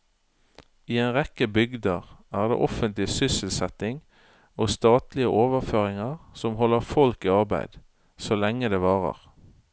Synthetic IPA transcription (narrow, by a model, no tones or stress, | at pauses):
iːeːnʁɛkəbʏɡd̪əʁæːʁd̪ḛːʔɔfənt̪lɪsʏsəlsɛt̪ɪŋ | oːst̪ɑːt̪lɪəʔoːʋəʁføːʁɪŋəʁsɔmɦɔlːəʁfɔlkiɑʁbæ̰ɪd̪̥ | soːlɛŋːəd̪eːʋɑːʁə̰ʁ